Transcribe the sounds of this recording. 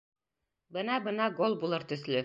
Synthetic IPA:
bɤnɑbɤ̆nɑɡolˠbulˠɤɾt̪ɵ̆zlɵ

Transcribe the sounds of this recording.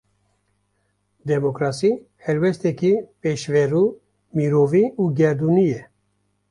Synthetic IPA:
d̪ɛmokɾɑːsiː | hɛɾwɛst̪ɛkipeʃvɛɾuː | miɾoːviːuːɡɛɾd̪uːnijɛ

